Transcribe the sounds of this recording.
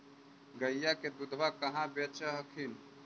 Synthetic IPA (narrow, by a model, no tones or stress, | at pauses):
ɡəjjːakeb̪ud̪ʱʋakəɦãbet͡ʃəɦəkʰin